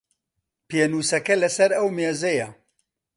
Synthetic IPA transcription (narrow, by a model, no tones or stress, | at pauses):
peːnuːsɐkɐlɐsɐɾɐwmeːzɐjɐ